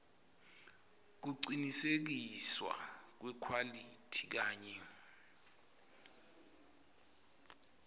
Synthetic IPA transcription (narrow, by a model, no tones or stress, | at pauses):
k̬uǀinisek̬iswa̰k̬wɛkʰwalitʰi̥k̬aːɲɛ